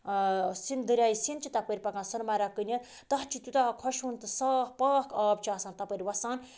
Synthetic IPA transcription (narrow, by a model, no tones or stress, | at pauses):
sind̪ɨɾʲaːjisint͡ʃʰit̪ɐpəɾʲpɐkãːnsɐnmaɾakɨnʲɐt̪ | t̪ɐɦt͡ʃʰit̪ut̪akʰɔʃunt̪ɨsaːhpaːkʰaːb̚t͡ʃʰiasãːnt̪ɐpəɾʲwɐsaːn